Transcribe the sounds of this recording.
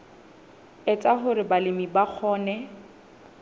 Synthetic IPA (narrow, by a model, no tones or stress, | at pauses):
ɛt͡sʼaɦʊɾɪbalɪmibak͡xʰɔːnɛ